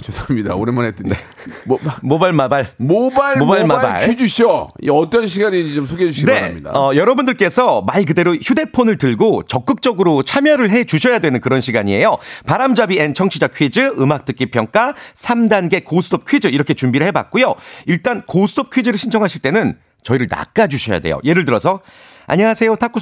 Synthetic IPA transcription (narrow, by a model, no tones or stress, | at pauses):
t͡ɕosʰamɲida̰o̰ɾemanet͈ɯne | mobaɭmabaɭmobamobaɭmaba̰id͡ʑuɕʰoḭʌt͈ʌnɕ̬ʰiɡaɲid͡ʑit͡ɕomsʰuɡed͡ʑuɕʰine̞amɲida̰ʌjʌɾʌbundɯɭk͈e̞sʰʌmaiɭk̬ɯde̞ɾoçjude̞pʰonɯɭtɯɭɡot͡ɕʌk͈̚ɯk̚t͡ɕ͈ʌɡɯɾot͡ɕʰamjʌɾɯɭɦe̞t͡ɕuɕʰʌjadwe̞nɯnkɯɾʌnɕʰiɡaɲie̞jopaɾamd͡ʑabient͡ɕʰʌŋt͡ɕʰid͡ʑakʰɥid͡ʑɯɯmak̚t͈ɯk͈ipʰjʌŋk͈asʰamdanɡe̞kosʰudʰʌp̚kʰɥid͡ʑɯiɾʌkʰe̞t͡ɕumbiɾɯɭɦe̞ba̰k̚k͈ujoiɭt͈ankosʰudʰʌp̚kʰɥid͡ʑɯɾɯɭɕʰint͡ɕʰʌŋɦaɕʰiɭt͈e̞nɯn | t͡ɕʌiɾɯɭna̰k̚k͈ad͡ʑuɕʰʌja̰de̞jo̰je̞ɾɯɭtɯɾʌsʰʌ | a̰ɲʌŋasʰe̞jotʰak͈u